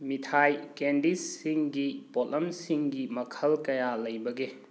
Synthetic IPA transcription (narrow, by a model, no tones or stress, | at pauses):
mitʰajkendisːiŋɡipotlɐmsiŋɡimɐkʰɐlkɐjalɐjbɐɡe